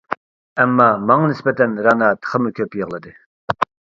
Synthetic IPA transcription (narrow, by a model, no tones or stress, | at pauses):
ɛmːɑmɑŋɑnɪspɛt̪ʰɛnɾɑnɑt̪ʰə̥χəmukʲʰøpjəʁlˠɨd̪ɨ